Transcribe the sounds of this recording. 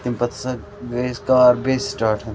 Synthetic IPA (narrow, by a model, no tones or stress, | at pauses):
t̪impɐt̪sɐ | ɡeskaɾbeːsʈaːʈʰə̃n